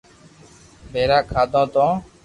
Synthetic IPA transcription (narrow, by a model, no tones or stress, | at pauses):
bʱeːɾaːkʰaːd̪õːt̪õː